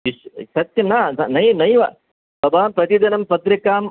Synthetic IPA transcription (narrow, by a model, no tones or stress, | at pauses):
iʃsɐt̪jɐmnaːnnɐjnɐjʋɐ | bɐbʱaːmpɾɐt̪id̪ɐnɐmpɐt̪ɾikaːm